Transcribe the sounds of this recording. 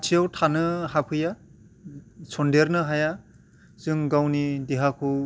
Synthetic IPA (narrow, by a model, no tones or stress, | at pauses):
tʰijawtʰanɯhapʰɯja | sʰɔndeɾnɯɦaja | z̥ɯŋɡawnideɦakʰuw